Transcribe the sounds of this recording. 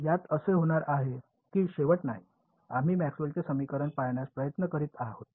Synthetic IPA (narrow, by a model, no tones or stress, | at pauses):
jat̪əseɦoɽ̃aɾaɦe | kiːɕeʋəʈ̪naɦi | am̤iːmæksltesəmikəɾəɳpajɳjaspɾəjət̪nəkəɾiːt̪aɦot̪̚